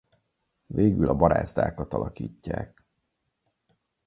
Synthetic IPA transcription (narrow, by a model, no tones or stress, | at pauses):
veːɡylɒbɒɾaːzd̪aːkɒt̪ɒlɒkiːcːaːk